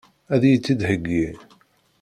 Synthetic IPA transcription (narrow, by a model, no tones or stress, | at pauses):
æðjət͡sːid̪həɡːi